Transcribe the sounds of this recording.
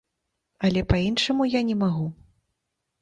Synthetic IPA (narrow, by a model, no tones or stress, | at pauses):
ɐlʲɛpainʂɐmujanʲɛmaɣu